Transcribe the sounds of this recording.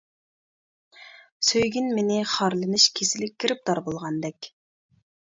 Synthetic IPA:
søjɡʲinmenɪχɑɾlˠɨnɨʃkʲʰesɪlɪk̚ʲkʰʲːiɾɪp̚d̪ɑɾbolˠʁɑnd̪ɛkʲ

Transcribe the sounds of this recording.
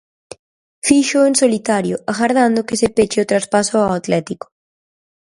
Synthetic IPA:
fiʃʊeŋsolit̪aɾjoaɣaɾðand̪ʊkesepet͡ʃeʊt̪ɾaspasʊaat̪lɛt̪iko̥

